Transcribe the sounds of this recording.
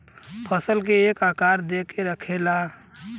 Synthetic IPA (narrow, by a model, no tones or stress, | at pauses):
pʰəsəlkeːkakaɾd̪ekeɾəkʰela